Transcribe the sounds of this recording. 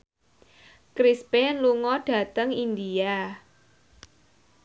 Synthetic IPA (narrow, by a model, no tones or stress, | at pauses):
kɾispɛnluŋɔɖ̥ä̤t̪əŋind̪ia